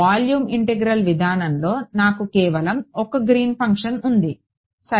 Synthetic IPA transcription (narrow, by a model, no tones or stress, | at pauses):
aːljuːmiɳʈeɡɾɐlʋid̪ʱaːnɐmlo̞ːnaːkukɛːʋɐlɐmɔkɐɡɾiːnpʰɐŋkʂɐnund̪i | sɐ